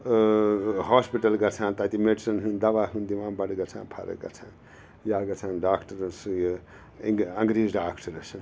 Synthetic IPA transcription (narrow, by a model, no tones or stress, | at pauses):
ɦaːspiʈɐlɡɐt͡sʰãːnt̪at̪imeɖisɐnɦund̪ɐbaːɦʰũnd̪imãːnbaɽiɡɐt͡sʰã̰ːnpʰa̰ɾɐ̰k̚ɡɐ̰t͡sʰãːn | jaːɡɐt͡sʰanɖaːkʈɐɾs | ɐŋɡɾiːzɖaːkʈɐɾɐs